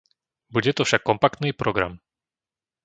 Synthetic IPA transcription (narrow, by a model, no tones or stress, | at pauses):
bud͡ʑɛt̪ɔfʂakːɔmpakt̪nɨpɾʔɔɡɾa̰m